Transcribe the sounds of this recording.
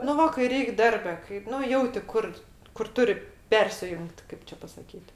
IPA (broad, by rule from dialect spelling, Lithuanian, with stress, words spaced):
nʊ ˈʋɐ kɐɪ ˈrʲɛɪk ˈdɐrʲbʲɛ kɐɪ ˈnʊ ˈjɛʊtʲɪ ˈkʊr kʊr ˈtʊrʲɪ ˈpʲɛrʲsʲɪjʊŋkt ˈkɐɪp t͡ʃʲɛ pɐsɐˈkʲiːt